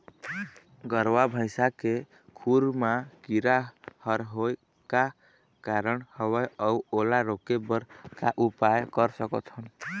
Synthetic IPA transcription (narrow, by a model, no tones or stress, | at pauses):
ɡəɾwabʱə̃ɪsake | kʰuɾmakiɾahəɾɦoj | ka | kaɾəɳhəwəjəuolaɾokebəɾkaʔupajkəɾsəkɔt̪ɦən